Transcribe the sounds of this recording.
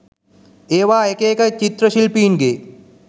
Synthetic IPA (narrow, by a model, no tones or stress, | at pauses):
eːʋaːekeːkɐjt͡ʃit̪ɾəʃilpiːnɡeː